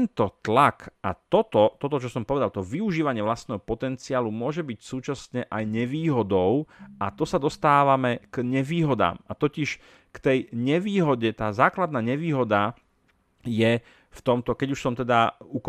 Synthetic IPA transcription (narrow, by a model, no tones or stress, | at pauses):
ɛnt̪ɔt̪lakʔat̪ɔt̪ɔt̪ɔt̪ɔt͡ʃɔsɔmpɔʋɛd̪alt̪ɔʋiuʒiːʋaɲɪɛʋlast̪nɛːɦɔpɔt̪ɛnt͡siaːlumʊɔʒɛbicsuːt͡ʃasɲɛʔajɲɛʋiːɦɔd̪ɔʊʔat̪ɔsad̪ɔst̪aːʋamɛkɲɛʋiːɦɔd̪a̰ːmat̪ɔciʃ | kt̪ɛjɲɛʋiːɦɔɟɛt̪aːzaːklad̪̚naːɲɛʋiːɦɔd̪a | jɛ | ft̪ɔmt̪ɔkɛɟuʃsɔmt̪ɛd̪auk